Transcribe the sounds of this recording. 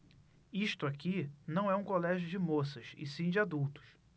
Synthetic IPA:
iʃt̪ʊakinɐ̃w̃ɛũkolɛʒjʊd͡ʒɪmosɐʃɪ̰sĩd͡ʒɪad̪uwt̪ʊ̥ʃ

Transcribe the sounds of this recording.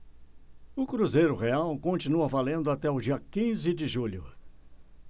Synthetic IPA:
ʊkɾuzejɾʊʁeawkõnt͡ʃinuɐvalẽnd̪ʊat̪ɛʊd͡ʒiɐkĩzɪd͡ʒɪʒuʎʊ

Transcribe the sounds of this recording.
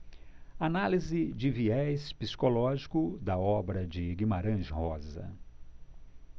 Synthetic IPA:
analizɪd͡ʒɪviɛspisi̥kolɔʒikʊd̪ɐɔbɾɐd͡ʒɪɡimaɾɐ̃ʒhɔzɐ̰

